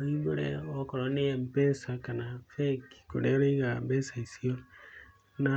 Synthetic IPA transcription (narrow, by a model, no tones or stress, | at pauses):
iβuɾḛokoɾoniempesakanafeki̥kṵɾeɾeiɣambesaisio | na